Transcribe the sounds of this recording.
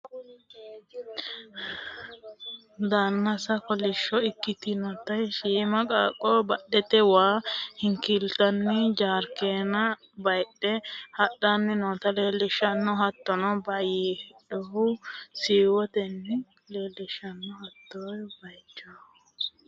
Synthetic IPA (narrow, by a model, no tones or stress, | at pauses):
d̪aːnːɐsɐkɔlɪʃːɔɪkːɪt̪ɪnɔt̪ːɐjʃiːmɐkʼaːkʼːɔbɐɗːɛt̪ɛwaːhɪŋkɪlt̪ɐnːɪd͡ʒaːɾkeːnɐ | bɐjɗːɛhɐɗanːɛnoːt̪ɐleːlːɪʃɐnːɔɦɐt̪ːɔnɔbɐjiːhɛɗʊhʊsiːwɔt̪ɛnːɛ | leːlːɪʃɐnːɔhɐt̪ːojbɐjt͡ʃːoː